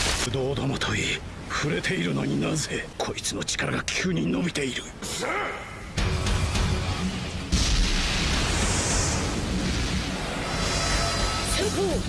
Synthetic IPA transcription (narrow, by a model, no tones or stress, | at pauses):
d̪o̞ːd̪omot̪ʰoi | ɸɯ̟ɾe̞t̪ʰe̞iɾɯno̞̰ɲ̟inaze̞kʰo̞it͡sɨno̞t͡ɕi̥kaɾaɡakʲʰɨːɲ̟ino̞bʲit̪e̞iɾɯ̟ | eo